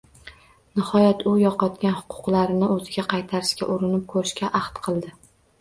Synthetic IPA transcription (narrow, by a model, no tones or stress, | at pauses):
nɪhɒjat̪ʰʊjɒqɒt̪kʲanhʊ̥qʰʊ̥qlˠaɾɪnɪɵzɪɡʲaqʰɑjt̪ʰaɾɪskʲa̰ʔʊɾɪnɪp̚kʰɵɾɪʃkʲaʔɑht̪qʰɨlˠd̪ɪ